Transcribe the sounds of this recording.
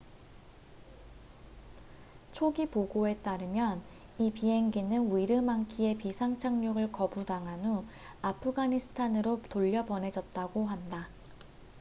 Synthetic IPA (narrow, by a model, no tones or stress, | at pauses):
t͡ɕʰoɡipoɡoe̞t͈aɾɯmjʌn | ipie̞ŋɡinɯnuiɾɯmaŋkʰie̞pisʰaŋt͡ɕʰaŋɲuɡɯɭkʌbudaŋanu | apʰɯɡaɲisʰɯ̥tʰanɯɾotoʎːʌbʌne̞d͡ʑʌt̚t͈aɡoɦanda